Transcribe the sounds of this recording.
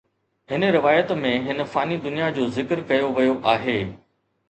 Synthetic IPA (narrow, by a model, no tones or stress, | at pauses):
ɦɪnə̆ɾɪʋaːjət̪mẽɦɪnə̆faːnid̪ʊnijad͡ʑoːzɪkəɾkɐjoʋɐjoʔaːɦeː